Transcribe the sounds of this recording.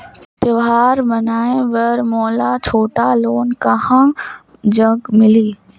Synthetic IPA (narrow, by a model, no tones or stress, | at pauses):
t̪əʋɦaːɾmənaːẽʋɐɾmɔːlat͡ʃʰoːʈaloːnkahã | d͡ʒəɡmɪliː